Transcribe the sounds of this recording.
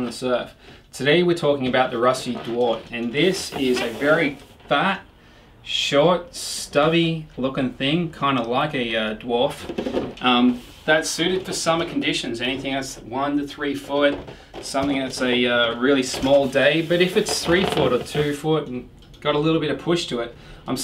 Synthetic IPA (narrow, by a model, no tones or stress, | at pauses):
n̩ðəsɜ˞ftʰɨɾeɪwɪɹtʰɔkɪ̃ŋɨbaʊt̪̚ðəɹʌsidwɔɹɾɨ̃nðɪsɪzɨvɛɹi | fæt̚ | ʃɔɹt̚stʌvilʊkɪ̃ŋθɪ̃ŋkʰãɪ̃ndəlaɪkɨʌdwɔɹfʔʌ̃m | ðɨtsʉɾɨd̥fə˞sʌmə˞kʰn̩dɪʃɨ̃nzɛniθɪ̃ŋɨswʌ̃ntɨθɹifʊt̚ | sʌ̃mθɪ̃ŋðɨtsɨʌɹɪlˠismɔlˠdeɪbʌɾɨfɨtsθɹifʊɾə˞tʰʉfʊɾn̩ | ɡ̥ɑɾəlɪɾl̩ˠbɪɾɨpʰʊʃtʰɨɪt̚ | ãɪ̃m